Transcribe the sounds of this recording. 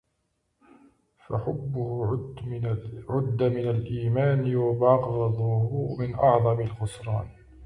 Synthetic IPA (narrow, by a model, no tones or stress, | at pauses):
fa̰ħʊbːʊh | ʕʊd̪ːamɪnalʔiːmaːnjʊbɑːqɣðˤuʊmɪnʔɑʕðˤɑmɪlɣʊsˤɾˤɑ̰ːn